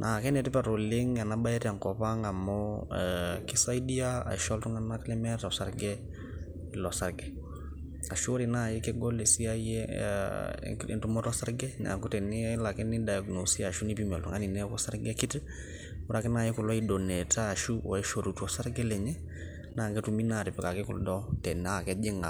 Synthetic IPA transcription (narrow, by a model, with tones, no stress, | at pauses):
nʔa˨kɛ˦nɛ˨tɛ˦pa˨ɾo˨le˦ŋa˨na˦ba˦ɛ˦ɾa˨ŋkɔ˨pa˦ŋa˨mɔ | ki˦sa˦jdi˦a˦a̰˨ʃɔ˦ltu˦ŋa˦na˦klɛ˦mɛ˦ta˨ɔ˨saɾɡɛ˦ | i˨lɔ˨sa˦ɾɡɛ˨ | a˨ʃu˦o˦ɾi˨na˦˨je˦kɛ˦ɡɔ˦le˨si˦a˦jɛ̰ | ɛ̰ntu˦mɔ˦tɔ˦sa˦ɾɡɛ˦na̰˨ku˦tɛ˨ni˦la˨kɛ˦ni˦da˨ja˨ɡno˨si˦a˨ʃu˦ni˦pi˦mɛ˨ltu˨ŋa˦ni˨nɛ˦kɔ˦sa˦ɾɡɛ˦ki˦t | u˦ɾa˦kɛ˦na˨jɛ˦ku˨lɔ˦i˦dɔ˨nɛ˨taː˦˨ʃu˦ɔ̰˨ɛ˦ʃo˨ɾu˨tu˦ɔ˦sa˦ɾɡɛ˦lɛ˨ɲɛ˦ | na˨ŋɡɛ˦tu˨mi˦na˨ɾi˨pɛ˨ka˨kɛ˦kṵ˨ldɔ˦tɛ˨na˦˨kɛ˦d͡ʒi˦ŋa˨